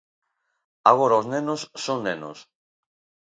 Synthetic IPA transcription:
aɣ̞oɾaoznenosːoŋneno̰s

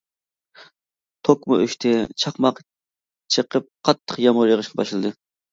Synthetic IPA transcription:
t̪ʰokmʊ̰yʃt̪ʰɪt͡ʃʰɑχmɑq | t͡ʃʰəqʰəp̚qʰɑt̪ʰːəqjɑmʊɾjəʁəʃqʰɑbɑʃlˠɨd̪ɨ

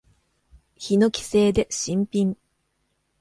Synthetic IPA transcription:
çino̞kʲi̥se̞ːd̪e̞ɕĩmpʲĩm

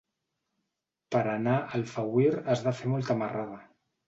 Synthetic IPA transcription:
pəɾanaʔəlfawiɾəzðafemɔlˠt̪əmarað̞ə

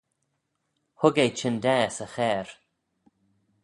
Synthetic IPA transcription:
hʊɡejt͡ʃɪnd̪ɛːsəxɛːɹ

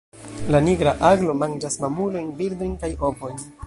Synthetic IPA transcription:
laniɡɾaʔaɡlo̞mand͡ʒasmamulo̞jnbiɾdo̞jnkajo̞po̞jn

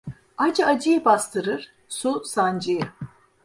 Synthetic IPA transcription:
ad͡ʒad͡ʒɯjɯbast̪ʰɯɾɯɾ̥ | susand͡ʒɯjɯ

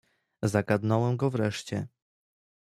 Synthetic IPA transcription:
zaɡad̪nɔwɛmɡɔvɾɛʂt͡ɕɛ

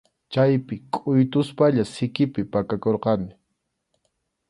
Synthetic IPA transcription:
t͡ʃajpɪkʼʊjt̪ʊspaʎasɪkɪpɪpakakoɾqɑnɪ

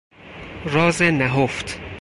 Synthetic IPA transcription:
ɾɒːzenæɦoft̪ʰ

